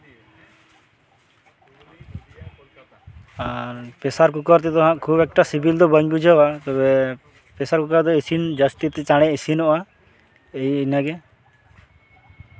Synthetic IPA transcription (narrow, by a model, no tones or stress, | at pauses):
aɾpɛsaɾk̬ukɔɾt̪ɛt̪ɔɦãʔkʰubɛk̚ʈasibʱild̪ɔbəɲbud͡ʒʱawat̪ɔbɛ | pɛsaɾkukaɾd̪ɔisind͡ʒast̪it̪ɛt͡ʃaɽ̃ɛisinɔʔa | ejnaɡɛ